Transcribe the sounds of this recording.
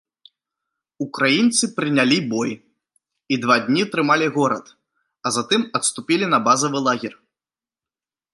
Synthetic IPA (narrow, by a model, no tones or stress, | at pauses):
ukɾajint̪sɨpɾɨnʲalʲibɔj | id̪vad̪ʲnʲiɐt̪ɾɨmalʲiɣɔɾɐt̪ | ɐzat̪ɨmɐt̪st̪upʲilʲinɐbazɐvɨlˠaɣʲir